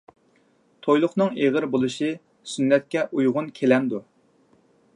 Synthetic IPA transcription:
t̪ʰojlˠʊχnɨŋeʁəɾbolˠuʃɨ | synːɛt̪̚kʲɛʔujʁʊnkʲʰelɛnd̪u

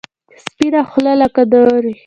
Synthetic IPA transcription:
spinaxlalakad̪əɾi

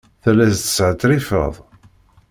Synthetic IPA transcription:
θælæzt̪ə̥sʕət̪ːɾifə̰ðˤ

